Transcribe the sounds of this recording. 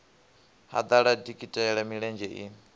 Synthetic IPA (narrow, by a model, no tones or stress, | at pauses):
ha̰d̪aɺadikʼitʼɛɛɺamiɺɛnd͡ʒɛʔḭ